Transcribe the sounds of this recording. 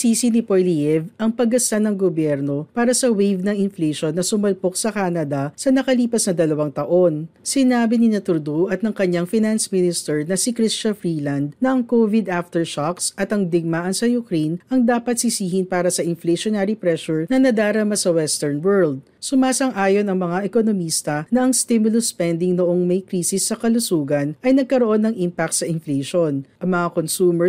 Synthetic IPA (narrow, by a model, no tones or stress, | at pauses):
siːsinɪpojlijɛvʔɐŋpɐɡɐsanɐŋɡobjɛɾno̞paːɾɐsɐwejvnɐŋɪnfleʃonːɐsʊmɐlpo̞ksɐkaːnɐd̪ɐsɐnɐkɐliːpɐsnɐd̪ɐlɐwaŋt̪ɐʔo̞nsɪnaːbɪnɪnɐt̪ʊɾd̪uʔɐt̪̚nɐŋkɐɲaŋfɪnansmɪnɪst̪ɛɹnɐsikɾist͡ʃɐfɾiːlɐnd̪̚nɐʔɐŋkovɪd̪aft̪ɛɹʃaksʔɐt̪ɐŋd̪ɪɡ̚maʔɐnsɐjʊkɾejnʔɐŋd̪aːpɐt̪̚sɪsiːhɪnpaːɾɐsɐʔɪnfleʃonaɾipɾɛʃʊɹnɐnɐd̪aːɾɐmasɐwɛst̪ɛɹnwɛɹld̪̚ | sʊmaːsɐŋʔaːjo̞nɐŋmɐŋaʔɛkonomiːst̪ɐnɐʔɐŋst̪imʊlʊspɛnd̪ɪŋnoʔoŋmɐjkɾiːsɪsːɐkɐlʊsuːɡɐnʔɐjnɐɡ̚kɐɾoʔo̞nːɐŋʔimpak̚t̪sɐʔɪnfleʃonʔɐŋmɐŋakonsuːmɛ